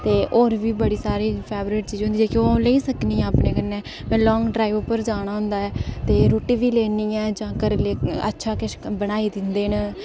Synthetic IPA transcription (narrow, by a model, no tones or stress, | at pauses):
t̪eːʔoːɾʋiːbəɽiːsaːɾiːpʰɛːbɾɪːʈt͡ʃiːd͡ʒɦʊ̃nd̪iːɛːkoːleiːsəkniːɛ̃ːəpnẽːkənːeː | mɛ̃ːlɔːŋɡɖɾaːiʋoːpəɾd͡ʒaːɽ̃aːɦʊ̃nd̪aːɛːt̪eːɾoːʈiːʋiːleːniːɛːd͡ʒãːkəɾleːə̰tːʃʰaːkɪʃbənaːiːd̪ɪnd̪eːn